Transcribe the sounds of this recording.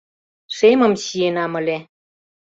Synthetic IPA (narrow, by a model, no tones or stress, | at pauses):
ʃemə̆mɕienɑmə̆lʲe